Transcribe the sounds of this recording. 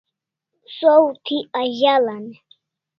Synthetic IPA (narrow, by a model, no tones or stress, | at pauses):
sowt̪ʰiaʑalan